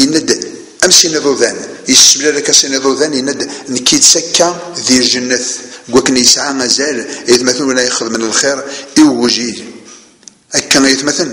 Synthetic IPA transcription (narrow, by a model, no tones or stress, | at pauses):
jənːæd̪ | æmsiniðˤoðænjəsːəmlæðækːæsiniðˤuðænjənːæd̪nəkːit̪sækːæðilʒənːəθəɡʷːækːənjəsʕaŋæzæljθmæθənwəlæjəχəðmənəlχeɾiwwuʒil | ækːæjiθmæθən